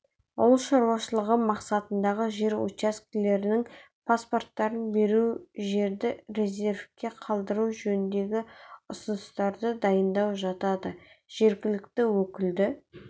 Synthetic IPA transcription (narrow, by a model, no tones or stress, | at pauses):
ʊlˠʃɑɾwɑʃəlˠəʁəmɑqsɑt̪ənd̪ɑʁəʒe̞ɾo̰t͡ʃask̪le̞ɾɪnɪŋ | pʰaspo̞rt̪ːɑɾənbe̞ɾuʒe̞ɾd̪ɪɾe̞zʲe̞ɾfkʲe̞qʰɑlˠd̪əɾuʒɵnɪnd̪e̞ɡʲɪʊsənəst̪ɑɾd̪əd̪ɑjənd̪ɑwʒɑt̪ɑd̪əʒ̥e̞ɾɡʲɪlɪkt̪ɪwɵkʲɪld̪ɪ